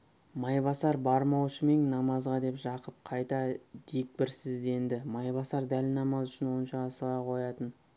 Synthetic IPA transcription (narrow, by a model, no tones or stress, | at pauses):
mɑjbɑsɑɾbɑɾmɑwʃəme̞ŋnɑmɑzʁɑd̪e̞pʒɑqəp̚qʰɑjt̪ɑd̪̥e̞k̚pɪɾsɪzd̪e̞nd̪ɪmɑjbɑsɑɾd̪ælnɑmɑzʏʃɪnwo̞ənʃɑːsəlˠɑqʰo̞jɑt̪ən